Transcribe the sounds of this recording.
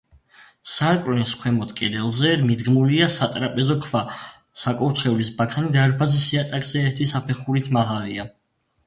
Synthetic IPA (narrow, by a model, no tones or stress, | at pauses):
saɾkʼwnskʰwɛmɔt̪ʰkʼɛd̪ɛlˠzɛmid̪ɡmuliasat̪ʼɾapʼɛzɔkʰva | sakʼɔɾt̪ʰχɛulisbakʰanid̪aɾpʰazisiat̪ʼakʼz̥ɛːɾt̪ʰisapʰɛχuɾit̪ʰmaʁalia